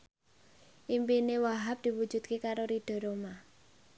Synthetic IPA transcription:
ʔimpinewaɦap̚d̪̥i̤wud̥d͡ʒ̥ṳt̪̚kekaɾoɾid̪̥ɔ̤ɾoma

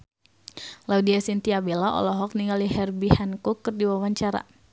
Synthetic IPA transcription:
laudiasint̪iabelaʔɔ̰lɔɦɔk̚niŋaliɦɛrbihankukɨrdiwawaɲt͡ʃaɾa̰

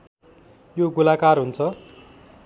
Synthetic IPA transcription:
joɡulakarɦunt͡sʰʌ

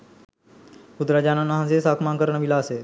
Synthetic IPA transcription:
ud̪ɾad͡ʑananəɦãsesakʰmaŋkəɾɳəʋilaəse

